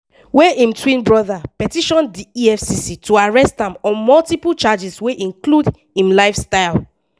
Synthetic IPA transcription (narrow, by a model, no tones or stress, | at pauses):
wɛʔĩmtʰwĩnbɹɔðapɛtiʃɔ̃ndiiɛfsisitʰuaɹɛstãmɔ̃mɔltipult͡ʃad͡ʒisweʔĩŋklud | ĩmlaɪfstaɪl